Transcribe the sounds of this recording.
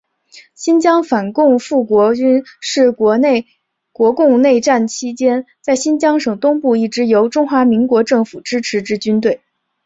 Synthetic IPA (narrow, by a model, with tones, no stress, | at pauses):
ɕi˥nt͡ɕjɑ˥ŋfa˨˩nkʊ˥˧ŋfu˥˩kwɔ˧˥t͡ɕy˥nʂɻ̩˥˩˧ | kwɔ˧˥kʊ˥˧ŋne˥˧ɪʈ͡ʂa˥˩nt͡ɕʰi˥t͡ɕjɛ˥n | t͡sa˥˩ɪɕi˥nt͡ɕjɑ˥ŋʂɤ˨˩ŋt̪ʊ˥ŋpu˥˧i˥˩ʈ͡ʂɻ̩˧˥jo˧˥ʊʈ͡ʂʊ˥ŋxwa˧˥mi˧˥ŋkwɔ˧˥ʈ͡ʂɤ˥˩ŋfu˨˩ʈ͡ʂɻ̩˥ʈ͡ʂʰɻ̩˧˥ʈ͡ʂɻ̩˧˥t͡ɕy˥nt̪̬we˥˩ɪ